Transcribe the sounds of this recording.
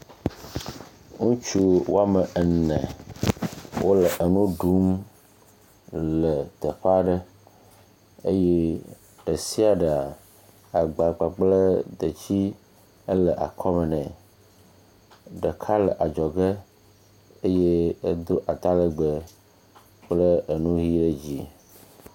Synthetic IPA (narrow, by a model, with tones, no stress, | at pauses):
ŋũ˦t͡ʃu˦wo˦a˦mə˨ə˨nɛ̰̃˨ | wʔo˦lə˨ʔə˨nũ˦ɖu˨˦m | lə˨t̪ə˨ɸa˦ɖə˦ | e˦je˦ | ɖ̥ə˨si˦a˨ɖə˨a˨ | a˨ɡ͡ba˨ɡ͡ba˨k͡plə˦d̪ə˨t͡ɕi˦ | ə˦lə˨ʔa̰˨kʰɔ˦mə˨nɛ̃˨ | ɖə˨kʰa˦lə˨ʔa˨d͡ʒɔ˨ɡe˦ | e˦je˦e˦d̪o˦ʔa˨t̪a˦lə˦ɡ͡bə˨ | k͡plə˦ə˨nũ˦ɦi˦ɖə˦d͡ʑi˦